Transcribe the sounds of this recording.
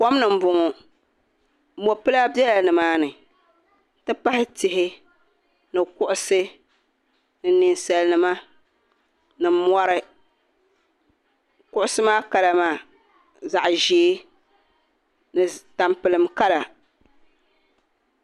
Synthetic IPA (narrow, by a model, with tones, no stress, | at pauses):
kɔ˦mnɨ˨m̩˦bʊ˨ŋɔ˨˦ | mo˨pɨ˦la˦bjɛ˦la˨nɨ˨maː˦nɨ˨ | tɨ˦pa˦hɪ˦tɪ˨ɦɪ˦ | nɨ˨kʊ˦ʔʊ˦sɨ˦ | nɨ˨nɨ˨nsɛ˨lnɨ˦ma˦ | nɨ˨mɔ˦ɾɨ˦ | kʊ˦ʔʊ˦sɨ˦maː˦ka˨la˨maː˨ | za˨ʔʒeː˨˦ | nɨ˨ta˨mpɨ˨lɨ˨mka˦la˨